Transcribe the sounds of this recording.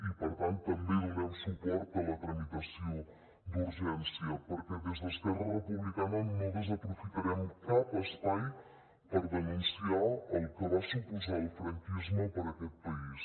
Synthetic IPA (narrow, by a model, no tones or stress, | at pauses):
ipəɾt̪ant̪ːəmbenunɛwsupɔɾt̪ələt̪ɾəmit̪əsio | d̪uɾʒɛnsiəpəɾkɛðəzðəst̪ɛrərəpuβlikamenːoðəzəpɾufit̪əɾɛmkapəst̪an | pəɾðənunsiaəlˠkəβasupuzalfɾəŋkizməpəɾəkɛt̪̚pəis